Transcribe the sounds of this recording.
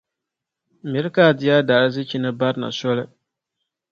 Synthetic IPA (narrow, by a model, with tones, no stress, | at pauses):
mi˨ɾka˦˨dɪ˨ja˦da˨ɾɨ˦zi˦t͡ʃi˦nɨ˦ba˦ɾna̰˨sɔ˦lɨ˦